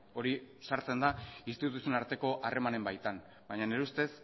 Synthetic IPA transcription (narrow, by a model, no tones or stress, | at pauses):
o̞ɾisaɾt͡se̞nd̪aist̪ituusionaɾt̪e̞ko̞ʔare̞mane̞mbajt̪an | bajɲane̞ɾeust̪e̞s